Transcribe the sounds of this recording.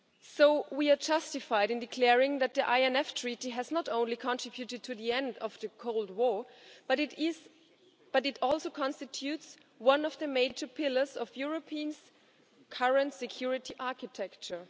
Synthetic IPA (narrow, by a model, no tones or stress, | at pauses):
soʊwia˞d͡ʒʌstɨfaɪɾɨ̃ndɨkʰl̥ɛɹɪ̃ŋðɨt̪̚ðiʔaɪɛ̃nɛftʰɹ̥itiɦɨznəɾõʊ̃nlikʰɔ̃ntʰɹ̥ɪbjutɨd̚tʰɨðiɛ̃ndʌv̥ðɨkʰoʊlˠd̚wɔɹb̥ʌɾɪɪz | b̥ʌɾɨtɔlˠsoʊkʰɑ̃nstɨtʰjʉts | wʌ̃nʌvðɨmeɪd͡ʒə˞pʰɪlə˞zʌvjʊɹopʰiə̃nz̥ | kʰʌɹə̃ntsɨkʰj̥uɹɪtʰiʔaɹkɨtʰɛk̚t͡ʃə˞